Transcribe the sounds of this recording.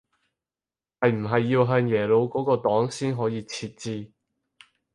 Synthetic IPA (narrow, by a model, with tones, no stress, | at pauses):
hɐ˨jm̩˨˩ɦɐ˨jːiː˧wɦœː˧ŋjɛː˨˩lo˨˧wkɔː˨˥kɔː˧t̪ɔː˨˥ŋsiː˥nɦɔː˨˥jiː˧t͡sʰiː˧t̚t͡siː˧